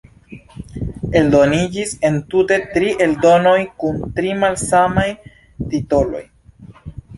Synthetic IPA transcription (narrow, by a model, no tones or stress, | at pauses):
e̞ldo̞nid͡ʒise̞ntute̞tɾiʔe̞ldo̞no̞jkuntɾimalsamaj | tito̞lo̞̰j